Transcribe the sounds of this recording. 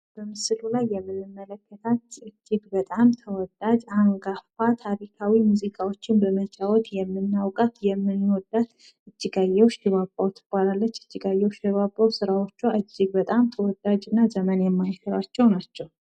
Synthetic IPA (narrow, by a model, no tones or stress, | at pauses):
b̥əmɨsɨlulajːɛmːɨnɨmːələkːət̪ʰat̪ɨd͡ʒːɪɡbət̪ʼamt̪ʰəwɔd̪ad͡ʒaŋɡafat̪ʰaɾikʰawimuzikʰʼawo̞t͡ʃːɪnbəmət͡ʃʼawɔt̪jɛmːɨnːawkʼat̪jɛmːɨnwɔd̪ːat̪ | ɨd͡ʒːɨɡajːɛwʃɪβabːawt̪ʰːɨb̥ːalalːət͡ʃːɨ̥t͡ʃːɨɡajːɛwʃiβabʼːawsɨɾawot͡ʃːuaʔɨd͡ʒːɪɡ̚bət̪ʼamt̪ʰəwɔd̪ad͡ʒɨnːazəmənjɛmːajsəɾat͡ʃːɛwnat͡ʃːɛw